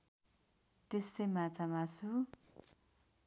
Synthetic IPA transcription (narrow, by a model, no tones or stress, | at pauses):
t̪est̪ʌjmat͡samat͡sʰu